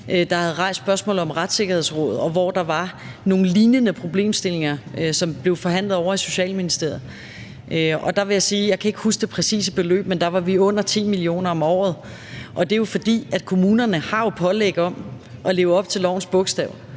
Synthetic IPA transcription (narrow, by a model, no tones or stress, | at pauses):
ʔød̥ɑ̈hæð̞̩ˠʁɑ̈ɪ̰sd̥b̥ɶɐsmɔ̰̽ːlð̩ˠɒ̽mʁad̥se̝ɡ̥ɐhe̝ð̞̰ˠsʁɔ̽ðˠɒ̽ʋɒd̥ɑ̈ʋɑ̈ | no̝ːn̩liːnənəpʰʁo̝b̥le̝̰ːmsd̥e̝le̝ŋɐsɒ̽mb̥le̝ʊfɒ̽ɦæn̰lð̩ˠɒʊɐiso̝ɕɛ̰ːlminisd̥e̝ɐ̰ð̩ˠ | ʔøɒ̽d̥ɑ̈ʋe̝jɑ̈siːjɑ̈ɪkʰæe̝ɡ̥husd̥e̝pʰʁɛsḭːsəb̥e̝lø̰ːb̥̚mend̥ɑ̈ʋɑ̈ʋiɔ̽n̰ɐt͡sʰḭːmilio̝̰ːnɐɒ̽mɒ̰ːð̞̩ˠ | ʔɒ̽d̥e̝jo̝fɒ̽d̥ḭːæd̥kʰo̝muːnɐnəhɑ̈jo̝pʰɒ̽leɡ̥əɒ̽m | ʔɒ̽le̝ːʊəɒ̽b̥̚t͡sʰe̝lɒ̰ʊn̩sb̥ɔ̽ɡ̥sd̥ɛʊ